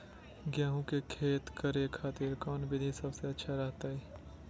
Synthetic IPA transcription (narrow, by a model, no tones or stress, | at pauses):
ɡjaːɦũkekʰeːt̪kəɾekʰaːt̪ɪɾkɔːnbɪd̪ʱesɐbseɐtːʃʰaɾɐɦt̪aɦɛː